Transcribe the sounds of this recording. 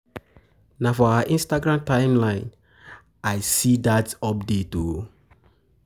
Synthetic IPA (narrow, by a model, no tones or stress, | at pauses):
nafɔawaʔĩnstaɡɹãmtãɪmlãɪ̃n | ajsidatɔp̚deto